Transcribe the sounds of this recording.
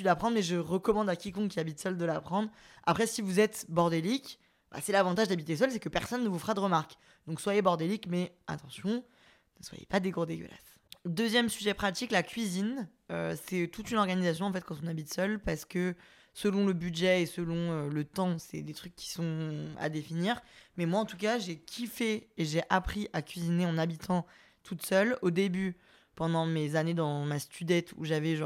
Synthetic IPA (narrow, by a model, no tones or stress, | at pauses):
yd̪lapχɑ̃d̪ʁmɛʒəʁəkɔmɑ̃d̪akʲikɔ̃kiabit̪sœld̪əlapχɑ̃d̪ʁ | a̰pχɛsivuzɛt̪bɔʁd̪elik | ba̰sɛlavɑ̃t̪aʒd̪abit̪esœls̬ɛkəpɛʁsɔnːəvufəʁad̪əʁəmaʁk | d̪ɔ̃kswajebɔʁd̪elikmɛ | a̰t̪ɑ̃sjɔ̃ | nəswa̰jḛpad̪eɡod̪eɡʲə̰la̰s | d̪øzjɛmsyʒɛpχat̪iklakʲɥizin | øsɛt̪ut̪ynɔʁɡanizasjɔ̃ɑ̃fɛt̪̚kɑ̃t̪̬ɔ̃nabit̪sœlpaʁsə̥kə | səlɔ̃ləbyd̪ʒɛesəlɔ̃ølət̪ɑ̃sɛ̰d̪et̪χykʲːi̥sɔ̃a̰d̪efiniːʁmɛmwaɑ̃t̪uk̬aʒekʲʰifeːʒeʔapχiʔakʲɥizineɑ̃nabit̪ʰɑ̃ | t̪ʰut̪sœlod̪eby | pɑ̃d̪ɑ̃mezaned̪ɑ̃mast̪yd̪ɛt̪ṵʒavɛʒ̃